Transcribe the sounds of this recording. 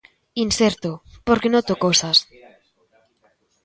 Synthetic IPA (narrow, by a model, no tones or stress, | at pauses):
inseɾt̪opoɾkenot̪okosas